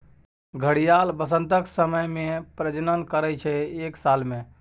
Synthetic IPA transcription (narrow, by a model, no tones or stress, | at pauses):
ɡʱəɽijalbəsə̃nt̪əksəməjmepɾəd͡ʒnənkəɾɛt͡ʃʰɛeksalme